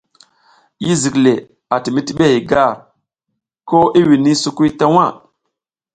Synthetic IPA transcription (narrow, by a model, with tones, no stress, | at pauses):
ji˦zi˨kle˨ | a˨ti˨mi˦ti˦ɓe˦i˨ɡa˦˨ɾ | ko˦i˦wi˨ni˦su˦ku˦jta˦wa˦˨